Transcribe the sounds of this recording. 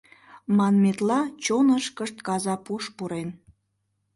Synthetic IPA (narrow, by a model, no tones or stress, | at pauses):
mɑnmet̪lɑt͡ɕonəʃkəʃt̪kɑzɑpuʃpuɾen